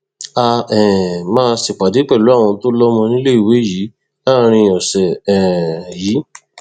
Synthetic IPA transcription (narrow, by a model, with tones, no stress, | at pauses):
a˧ɛ̃˨mãː˦˧si˨k͡pa˨di˨˦k͡pɛ˦˨lu˨˦a˦˨w̃ɔ̃˧to˦lɔ˦mɔ̃˧nĩ˦le˦i˦˨we˨˦jiː˨˦ | la˦˧ɾ̃ĩ˧ɔ˨sɛ˨ɛ̃˨ji˨˦